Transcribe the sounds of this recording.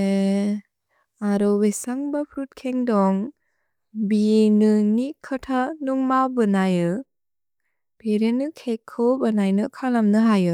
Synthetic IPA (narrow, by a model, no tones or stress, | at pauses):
e | aɾɔbesaŋbapʰɾut̚kʰeŋdɔŋ | bienɯnikʰɯtʰanuŋmawbɯnajɯ | b̥eɾenɯkʰekʰːɯwbanajnɯkʰalamnɯɦajɯ